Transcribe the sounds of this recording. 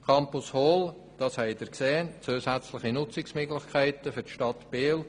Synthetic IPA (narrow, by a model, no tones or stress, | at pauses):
kʰɑmpʊshoːl | d̥ɑshɛɪd̥̪əɾkseːnt͡suːsæt͡slɪχinʊt͡sɪksmʏɡlɪχkʰæɪtəfʏɾtʃtɑtb̥eːl